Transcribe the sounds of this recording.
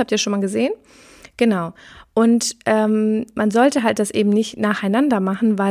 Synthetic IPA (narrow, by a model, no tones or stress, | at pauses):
haptiːɐʃoːnmalɡəzeːən | ɡ̥ənaʊʔʊntʔɛːmmanzɔltəɦalt̚d̥asʔeːbm̩nɪçtnaːχaɪnandɐmaχn̩vaɪ